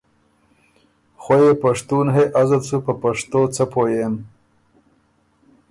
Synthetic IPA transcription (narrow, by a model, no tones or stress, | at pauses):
xwajepaʂt̪unɦeʔazəlsupəpaʂt̪ot͡səpojem